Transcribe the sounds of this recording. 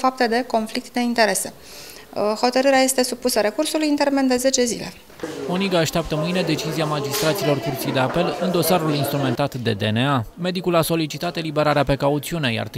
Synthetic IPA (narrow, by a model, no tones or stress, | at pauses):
fap̚t̪ed̪e̞ko̞nflik̚t̪d̪e̞int̪e̞ɾe̞se̞ | ho̞t̪əɾɨɾeaje̞st̪e̞supusəɾe̞kursulujɨnt̪ermend̪e̞ze̞t͡ʃe̞zḭle̞̰ | oniɡaːʃt̪eap̚t̪əmɨjne̞d̪e̞t͡ʃiziamad͡ʒist̪ɾat̪silo̞rkurt̪sijd̪e̞ape̞lɨnd̪o̞saɾulinst̪ɾume̞nt̪at̪d̪e̞d̪e̞ne̞ame̞d̪ikulaso̞lit͡ʃit̪at̪elibe̞ɾaɾeape̞kaut̪siune̞ja̰rt̪